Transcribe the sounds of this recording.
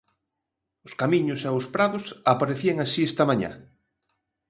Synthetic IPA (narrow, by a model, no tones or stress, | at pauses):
ʊskamĩɲʊseoʊspɾaðʊsapaɾeθieŋasiest̪amaɲa̰